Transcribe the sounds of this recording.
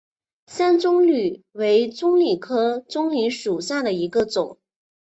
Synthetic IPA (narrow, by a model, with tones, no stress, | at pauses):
sa˥nt͡sʊ˥ŋly˨˩we˧˥ɪt͡sʊ˥ŋli˨˩kʰɤ˥t͡sʊ˥ŋli˧˥ʂu˨˩ɕja˥˩d̪ə˩i˧˥ɡə˧t͡sʊ˨˩˦ŋ